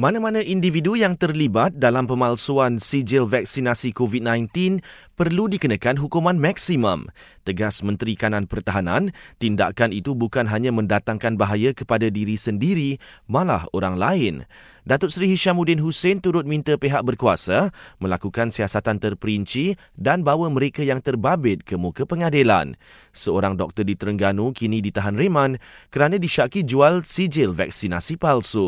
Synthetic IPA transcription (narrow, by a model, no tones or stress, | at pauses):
mãnãmãnãʔindividujaŋt̪ərlibat̪̚dalampəmalsuansid͡ʒɪlvak̚sinasikovit̪̚nãjnt̪in | pərludikənakanɦukumãnmak̚simə̰̃mt̪əɡasmə̃nt̪ɾikanãnpərt̪aɦanãnt̪inda̰ʔkanit̪ubukanɦaɲãmə̃ndat̪aŋkanbaɦajakəpadadiɾisəndiɾimãla̰hoɾaŋlaɪn | dat̪ʊt̪̚sɾiɦiʃamudɪnɦusent̪uɾʊt̪̚mĩnt̪əpeɦaʔ̚bərkuasamə̃lakukansiasat̪ant̪ərpəɾiɲt͡ʃi | danbawaməɾekajaŋt̪ərbabɪt̪̚kəmukəpəŋadila̰n | səoɾaŋdɔk̚t̪ərdit̪əɾəŋɡanũkinĩdit̪aɦanremãnkəɾanãdiʃakid͡ʒualsid͡ʒɪlva̰k̚sina̰sipalso